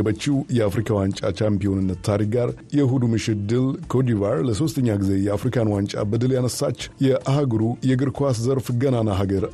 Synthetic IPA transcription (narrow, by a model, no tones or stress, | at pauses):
ɛbət͡ʃːiwjɛafɾikʰawant͡ʃʼa̰t͡ʃampijo̞nɨnːət̪t̪ʰːaɾik̚ɡaɾjɛɦud̪umɨʃɪt̪̚d̪ɨlkʰod̪ivaɾləso̞st̪ʰəɲːaɡize̞jɛafɾikʰanwant͡ʃʼa̰bɨd̪ɨljanəsːat͡ʃːjɛʔaɦaɡɾujɛɡɨɾkʰʷaszəɾfɡənanaɦaɡəɾ